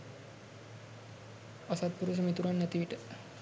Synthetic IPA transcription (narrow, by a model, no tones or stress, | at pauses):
asat̪̚puɾus̬əmet̪uɾanːɛt̪iʋiʈə